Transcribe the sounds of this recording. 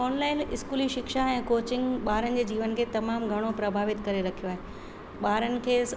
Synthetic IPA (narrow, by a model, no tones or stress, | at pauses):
ɔːnlaːɪnɪskuːliʃɪkʃaɛ̃ːkoːt͡ɕɪ̃ŋɡɓaːɾənɪ̆d͡ʑeːd͡ʑiːʋənkʰeːt̪ɐmaːmɡʱɐɽ̃opɾɐbʱaːʋɪt̪kɐɾeɾɐkʰijoaːɦe | ɓaːɾənɪ̆kʰeːs